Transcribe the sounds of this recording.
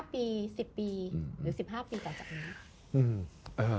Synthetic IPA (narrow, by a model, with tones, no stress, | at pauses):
piː˧si˨˩pːiː˧ɾɯː˩˦si˨˩p̚ɦaː˥˩piː˧t̪ɔː˨˩t͡ɕaː˨˩k̚niː˦˥kʰ | ʔɯː˧˩mʔaː˧˩